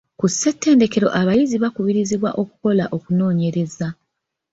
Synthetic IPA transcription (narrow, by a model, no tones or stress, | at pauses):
kusːe̞tːe̞ːnde̞ke̞ɾo̞̰ʔaβajiziβakuβiɾiziβwaʔo̞ku̥ko̞laʔo̞kuno̞ːɲe̞ɾe̞za